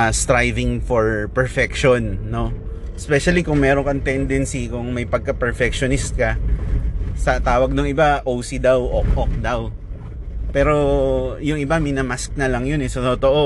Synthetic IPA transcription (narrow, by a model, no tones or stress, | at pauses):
st̪ɾajvɪŋfoɹpɛɹfɛkʃonːo̞ | ɛspɛʃɐlikʊŋmɛːɾoŋkɐŋt̪ɛnd̪ɛnsikʊŋmɐjpɐɡ̚kɐpɛɹfɛk̚ʃonɪst̪̚kɐ | sɐt̪aːwɐɡ̚nʊŋʔɪbaʔowsid̪awʔok̚ʔok̚d̪aw | pɛːɾo̞jʊŋɪbamɪnɐmask̚nɐlɐŋjonɛsɐt̪ot̪o̞ʔo